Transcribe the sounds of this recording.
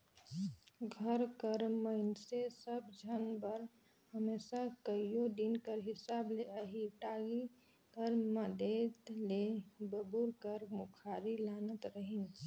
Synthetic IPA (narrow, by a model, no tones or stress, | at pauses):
ɡʱəɾkəɾməɪnsesəbd͡ʒʱənbəɾ | ɦəmesakəijoɖinkəɾɦisableəɦiʈaɡi | kəɾməd̪et̪lebəbuɾkəɾmukʰaɾilanət̪ɾəɦin